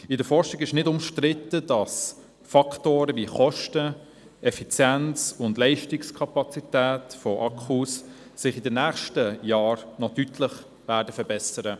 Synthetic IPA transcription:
ɪdəɾfɔɾʃɪɡɪʃnɪdʊmʃtɾɪtːəd̥ɑs | fɑktoːɾəviχɔʃtə | ʔɛfit͡sjɛnt͡sʊndlɛɪʃtɪkskʰɑpɑt͡sit̪æːtfɔʔɑkʰussɪχɪdənæːχʃtəjɑːɾnɔtytʰləχ | væːɾdəfəɾbɛsəɾə

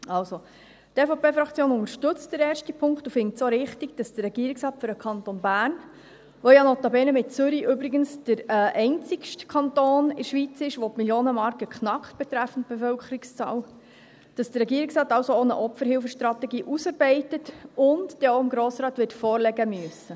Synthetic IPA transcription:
ɑlso | tɛfopʰeːfɾɑkt͡sjoːnʊŋəɾʃtʏt͡std̥əɾɛːrʃtipʰʊŋktufɪŋtsoɾɪχtiɡ̥d̥ɑsd̥ərːɛɡ̥iːəɾiksrɑːtføɾəkʰχɑnt̪onbæːrn | ʋojɑnɔt̪ɑbɛnəmɪt̚t͡søɾiʔʏbɾɪɡənsd̥əɾʔɛɪnt͡sɪkʃtkʰɑntoːnɪʃʋit͡sɪʃʋomiljoːnəmɑɾkəkχnɑkχt̚b̥ɛt̪ɾæfən̩t̚b̥efœlkχəɾikst͡sɑ̰ːl | d̥ɑsd̥ərːɛɡiːəɾɪksrɑːtɑwsoonə̰ʔɔpfəɾhɪlfəʃt̪rɑt̪ɛɡiːʔusɑɾbɛɪtətʊndd̥ɛoɪmɡɾoːsɾɑːt̪ʋɪtfɔːrlɛɡəmyəsə

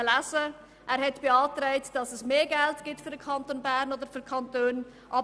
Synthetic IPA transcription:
əlæzə | ʔæːɾhɛtb̥eɑːtɾɛɪtd̥ɑsɛsmeːɡæltɡ̥ɪtfʏɾdəkʰɑntoːnbæɾnodəɾfykʰɑntøːn | ʔɑ

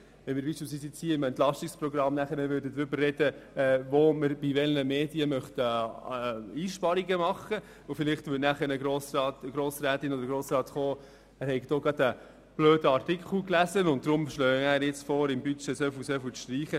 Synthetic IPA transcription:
ʋɛnmɪːɾbiːʃpɪlsʋiːsɪt͡shiːəɪmɛnt̪lɑʃtikspɾɔɡɾɑmnæχəɾnəʋʏdədɾʏbərːɛd̥əɛːʋoməɾbiʋɛlnəmeːd̥iəmœχtə | iːʃpɑɾiɡəmɑχə | ʊfɪlɪχtʋʏtnæχəɾnəɡɾoːsɾɑːtɡɾoːsɾæːt̪ɪnɔd̪əɾɡɾoːsɾɑːtχoː | æːɾhɛɪɡd̥oːɡɾɑd̪ə | b̥løːdəɑɾtɪkχl̩klæzənʊnt̚d̥̪ɾʊmʃlœːæːɾjɪt͡sfoːɾɪmbyt͡ʃɛsɛːfusɛfyʃtɾiːχə

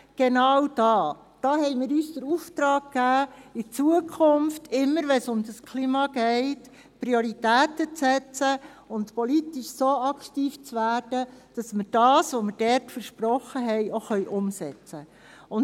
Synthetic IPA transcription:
ɡ̥enɑwd̥ɑː | d̥ɑːhɛɪmɪːɾyːsd̥̪əɾuftɾɑːɡ̚kːæːit͡suəkʰʊmftʰɪmːəɾʋɛnsʊmdəskʰliːmɑɡ̥ɛɪt | pɾioɾitæːtət͡sɛt͡sə | ʊntpɔlitiʃsoɑkʰtiːft͡sʋæːɾd̥əd̥ɑsmɪɾd̥ɑːsʋɔmɪɾd̥ɛɾtfəɾʃpɾɔχəɦɛjoxœʏʔʊmsɛt͡sə | ʊn

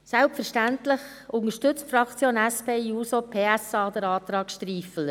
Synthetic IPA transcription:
sælpfəɾʃtæntlɪχ | ʊŋəʃtʏt͡stfɾɑkʰt͡sjoːnæspʰeːuːsopʰeːæsɑːd̪əɾɑːt̪ɾɑːkʃtɾiːfələ

